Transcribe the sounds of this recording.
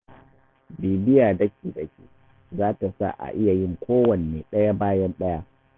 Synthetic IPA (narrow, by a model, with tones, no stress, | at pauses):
biː˨bɪ˦jaː˨dɐ˦kʲiː˨dɐ˨kʲḭː˨ | zaː˦ta˨sa̰˦˨ʔa̰˨ʔɪ˦ja˨jɪ˦˨ŋkʷoː˦wɐ˨neː˨ɗɐ˦ja˦baː˦jɐ˦nɗɐ˦ja˦